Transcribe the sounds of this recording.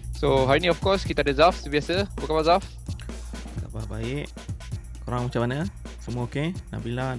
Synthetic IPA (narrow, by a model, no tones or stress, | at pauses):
soɦaɾiniɔfkɔskit̪adəzafsibiasəbəkabazaf | ka̰bahbaɪʔ | koɾaŋmat͡ʃamanəsəmuəokena̰bila